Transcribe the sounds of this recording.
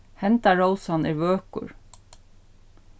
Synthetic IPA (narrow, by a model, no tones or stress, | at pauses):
hɛnt̪ɑɹoʊsɑnɪɾʋøːkʊ̰ɹ